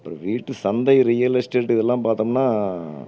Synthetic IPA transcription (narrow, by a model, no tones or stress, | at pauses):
ɐpːɾõʋiːʈːɯsɐnd̪ɐɪɾijɐlɐɪsʈeːʈːɪðɛlːãːpaːɾt̪omnːaː